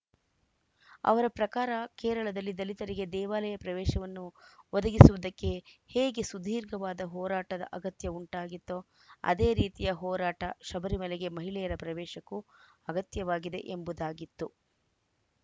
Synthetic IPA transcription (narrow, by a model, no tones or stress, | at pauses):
ɐ̰ʋɐɾɐpɾɐkaːɾɐkɛːɾɐɭɐd̪ɐlːid̪ɐlit̪ɐɾiɡe̞d̪ɛːʋaːlɐjɐpɾɐʋɛːʃɐʋɐnːuʋɔd̪ɐɡisuʋud̪ɐkːe̞heːɡe̞sud̪ʱiːɾɡɐʋaːd̪ɐɦɔːɾaːʈɐd̪ɐ̰ʔɐɡɐt̪jɐuɳʈaːɡit̪ːo | ɐ̰d̪e̞ːɾiːt̪ijɐɦɔːɾaːʈɐʃɐbɐɾimɐlɛɡe̞mɐɦiɭɛjɐɾɐpɾɐʋɛːʃɐkːu | ɐɡɐt̪jɐʋaːɡid̪e̞̰ʔembud̪aːɡit̪ːu